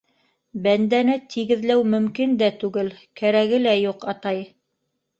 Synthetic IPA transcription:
bænd̪ænɘt̪ʰiɡɘ̆ðlæwmɵ̆mkind̪æt̪ʉɡɘlkæɾæɣɘlæjuqɑt̪ɑj

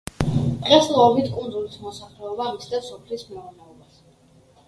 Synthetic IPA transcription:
d̪̥ʁɛslˠɔɔbit̪ʰkʼund̪zulismɔsaχlɛɔbaːmisd̪asɔpʰlismɛuɾnɛɔbas

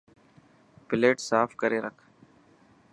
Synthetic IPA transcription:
pɪleːʈsaːfkəɾeːɾəkʰ

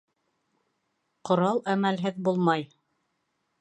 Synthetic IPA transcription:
qŏɾɑlˠæmælɦɘðbulˠmɑj

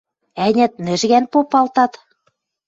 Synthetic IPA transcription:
ænʲæ̆t̪nɘ̆ʒɣænpopɑlt̪ɑt̪

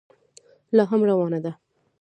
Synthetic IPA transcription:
lɑɦamɾawɑnad̪a

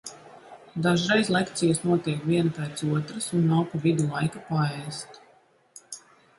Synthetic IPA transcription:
d̪aʒɾɛjzlˠɛkt̪sijɐsnuɔt̪iɛkvʲiɛnapɛːt̪suɔt̪ɾasunːawkuvid̪ulˠajkapaɛst̪

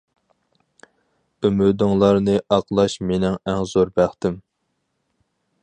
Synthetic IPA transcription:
ymyd̪ɪŋlˠɑɾnɨʔɑqlˠɑʃmenɪŋæŋz̥oɾbæχt̪ɪm

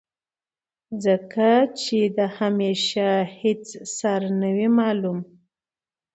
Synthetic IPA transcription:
zəkat͡ʃed̪əhameʃahet͡ssɑɾnəwimɑlum

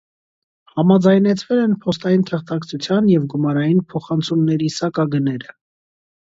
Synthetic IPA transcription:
hɑmɑd͡zɑjnɛt͡sʰvɛlɛnpʰɔst̪ɑjint̪ʰəχt̪ʰɑkt͡sʰut͡sʰjɑnjɛvɡumɑɾɑjinpʰɔχɑnt͡sʰumnɛɾisɑkɑɡənɛɾə

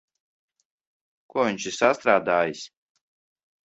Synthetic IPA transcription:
kuvinʲt͡ʃisast̪ɾaːd̪aːjisʲ

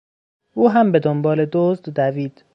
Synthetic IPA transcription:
ʔuːɦæmbe̞d̪ombɒːled̪ozd̪d̪æviːd̪̥

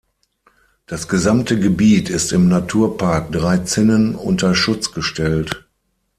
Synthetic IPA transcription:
d̥asɡ̥əzamtʰəɡəbiːtʰɪstɪmnatʰuːɐpʰaɐk̚d̥ʁaɪt͡sɪnənʊntɐʃʊt͡sɡ̥əʃtʰɛlt

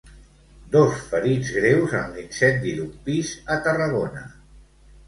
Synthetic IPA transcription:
d̪osfəɾid͡zɣɾewzəmlinsɛt̪̚d̪ilupizət̪ərəɣ̞onə

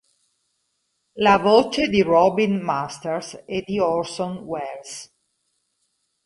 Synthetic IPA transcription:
lavoːt͡ʃed̪irɔbinmast̪eɾsed̪iɔɾsonwɛɾs

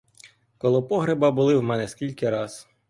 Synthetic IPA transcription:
kɔlˠɔpɔɦɾebɐbʊlˠɪwmɛnɛskʲilʲkɪɾɑz̥

